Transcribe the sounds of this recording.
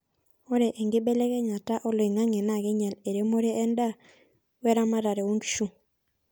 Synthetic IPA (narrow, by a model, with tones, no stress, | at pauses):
ɔ˦ɾe˨ʔɛ˨ŋɡɪ˦bɛ˦lɛ˦kɛ˦ɲa˨ta˦ʔɔ˦lo˨i˨ŋa˦ŋɛ˨na˦˨ɡɛ˦ɲɛ˨le˨ɾe˦mo˦ɾe˦ʔɛ˦nda˦ | wɛ˦ɾa˦ma˦ɾa˨ɾe˨wo˦ŋɡi˦ʃu˦